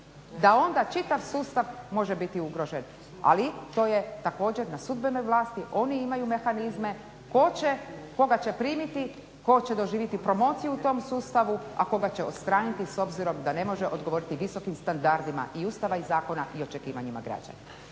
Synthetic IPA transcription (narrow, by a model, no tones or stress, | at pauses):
d̪ao̞nd̪at͡ʃit̪aʋsuːst̪aʋmo̞ʒebit̪iuɡɾo̞ʒe̞n | a̰lit̪o̞ːje̞t̪ako̞ːd͡ʑeɾnasud̪beno̞jʋlaːst̪iʔo̞niimajume̞xanizme̞ | kot͡ɕeko̞ɡat͡ɕe̞pɾiːmit̪i | ko̞t͡ɕe̞d̪o̞ʒiːʋjit̪ipɾo̞mo̞ːt̪sijuut̪o̞msuːst̪aʋua̰ko̞ɡat͡ɕeo̰t̪st̪ɾaːnit̪iso̞bziɾo̞md̪ane̞mo̞ʒeʔo̞̰d̪ɡo̞ʋo̞ːɾit̪iʋiso̞kimst̪and̪aɾd̪ima̰ʔiuːst̪aʋaizaːko̞naʔio̞t͡ʃekiːʋaɲima̰ɡɾa̰d͡ʒa̰na